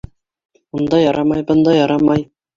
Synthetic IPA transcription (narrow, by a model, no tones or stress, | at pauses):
und̪ɑjɑɾɑmɑjbɤ̆nd̪ɑjɑɾɑmɑj